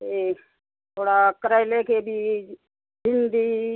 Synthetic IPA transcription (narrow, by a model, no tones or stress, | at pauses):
e | t̪ʰoːɽaːkɾaɪlekebʱi | d͡ʒɪnd̪i